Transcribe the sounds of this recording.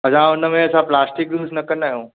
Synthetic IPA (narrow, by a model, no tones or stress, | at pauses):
ɐsãʊnəmẽɐsãplaːsʈɪk̚d̪uːsnɐkə̃naːɦjõː